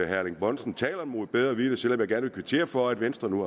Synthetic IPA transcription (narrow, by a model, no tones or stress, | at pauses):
ɦæɐleŋb̥ɒ̽n̰sn̩t͡sʰɛ̰ːlɐmo̝ð̩ˠb̥eð̞ˠɐʋid̥əsel̰ɒ̽mjɡæɐnʋe̝kʰʋe̝t͡sʰe̝̰ːɐfɒ̽æd̥ʋensd̥ʁɐnu